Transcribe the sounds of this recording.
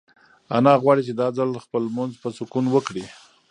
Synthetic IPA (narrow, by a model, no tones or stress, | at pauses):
anɑɣwɑɽit͡ʃed̪ɑd͡zalxpəlmʊnzpəsʊkunwəkɽi